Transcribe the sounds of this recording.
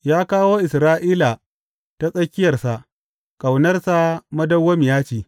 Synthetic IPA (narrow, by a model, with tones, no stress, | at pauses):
jaː˦kaː˦woː˦ʔɪ˨sɾaː˦ʔiː˦la˨ | ta˦sʼɐ˦kʲːɪ˦jɐ˨rsa˨ʔ | kʼa˨wnɐ˦rsa˦mɐ˦dɐ˦wːɐ˦m˨jaː˦t͡ʃiː˨